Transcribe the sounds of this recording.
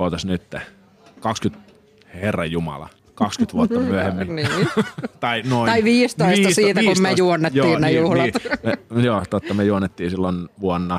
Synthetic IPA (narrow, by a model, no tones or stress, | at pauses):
ot̪ɑsnyt̪ːe | kɑkskyt̪ | herːɑjjumɑ̰lɑ̰ | kɑkskyt̪ʋuot̪ːɑmyæhemːiniːt̪ɑinoiɑiʋiːst̪oist̪ːɑsiːt̪æːkusmmejuonːetjoːiːnnejuhlɑt̪mejoːt̪ot̪ːɑmejuonːet̪ːiːsilːonʋuonːɑ